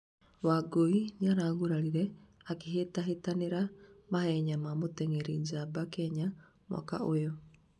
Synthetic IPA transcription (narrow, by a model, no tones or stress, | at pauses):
waɡoinaɾaːɣuɾaɾiɾɛakeɦetaɦetaneɾamahɛɲamamotɛŋeɾiɲd͡ʒabakɛɲa | ma̰ka̰ojɔ